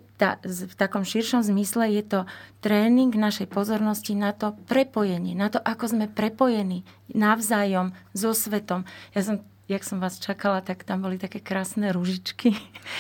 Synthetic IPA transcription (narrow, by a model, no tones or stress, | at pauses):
t̪a̰ft̪akɔmʃiɾʃɔmzmislɛjɛt̪ɔt̪ɾɛːniŋɡnaʃɛjpɔzɔɾnɔscinat̪ɔpɾɛpɔjɛɲɪɛnat̪ɔʔakɔzmɛpɾɛpɔjɛniː | naʊzajɔmzɔsʋɛt̪ɔmjas̬ɔm | jaksɔmʋaːst͡ʃakalat̪akt̪ambɔlit̪akɛːkɾaːsnɛɾuʒit͡ʃki